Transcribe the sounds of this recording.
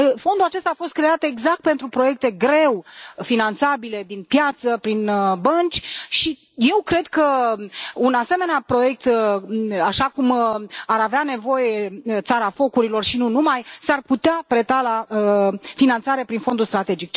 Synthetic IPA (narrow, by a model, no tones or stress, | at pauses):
əfo̞nd̪ulat͡ʃe̞st̪aːfo̞st̪̚kɾeat̪e̞ɡzak̚t̪̚pent̪ɾupɾo̞je̞k̚t̪e̞ɡɾe̞wfinant̪sabile̞d̪inpjat̪səpɾinbənt͡ʃʲʃi | je̞wkɾe̞d̪kə | unase̞me̞neapɾo̞je̞k̚t̪ | aʃakumaɾaveane̞vo̞je̞t̪saɾafo̞kuɾilo̞rʃinunumajsarput̪eapɾe̞t̪alaəfinant̪saɾe̞pɾinfo̞nd̪ulst̪ɾat̪e̞d͡ʒik̚